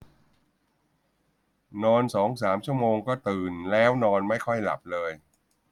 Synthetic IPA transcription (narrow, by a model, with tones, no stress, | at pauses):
nɔː˧nsɔː˩˦ŋsaː˩˦mt͡ɕʰu˥˩əmoː˧ŋkɔː˥˩t̪ɯː˨˩nlɛː˦˥wnɔː˧nma˥˩jkʰɔ˥˩jla̰˨˩p̚lɤː˧j